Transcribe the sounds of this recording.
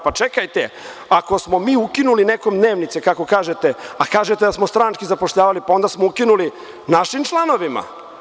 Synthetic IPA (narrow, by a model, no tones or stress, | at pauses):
pat͡ʃekajt̪e | ako̞smo̞miːukinuline̞ko̞md̪ne̞ːʋnit̪sekako̞kaːʒet̪eakaːʒet̪e̞d̪asmost̪ɾant͡ʃkizapo̞ʃʎaːʋalipao̞nd̪asmoukinuli | naʃimt͡ʃlˠano̞ʋima̰